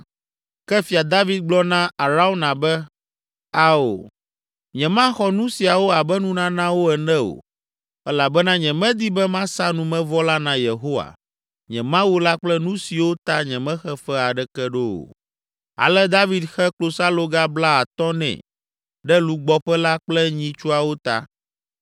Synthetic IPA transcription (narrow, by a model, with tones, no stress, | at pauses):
kɛ˦fi˨a˨d̪a˦vi˦d̪̚ɡ͡blɔ˦nã˦a˨ɾa˦o˦nã˨bɛ˦ | a˦o̰˨ | ɲɛ̃˨mã˦xɔ˦nũ˦si˨a˨wo˦a˨bɛ˦nũ˦nã˦nã˦wo˦ɛ˨nɛ̃˦o̰˨ | ɛ˦la˨bɛ˦nã˦ɲɛ̃˨mɛ̃˦d̪i˦bɛ˦mã˦sa˦nũ˨mɛ̃˦vɔ˦la˦nã˨je˨ɦo˦wa̰˨ | ɲɛ̃˨mã˦wu˦la˦k͡plɛ˦nũ˦si˨wo˦t̪a˦ɲɛ̃˨mɛ̃˦xɛ˦fɛ˦a˨ɖɛ˦kɛ˦ɖo˦o̰˨ | a̰˨lɛ˦d̪a˦vi˨d̪xɛ˦klo˨sa˦lo˦ɡa˦bla˦a˨t̪ɔ̃˦nɛ̰̃˨ | ɖɛ˦lu˨ɡ͡bɔ˦ɸɛ˦la˦k͡plɛ˦ɲĩ˨t͡ʃu˦a˨wo˦t̪a̰˦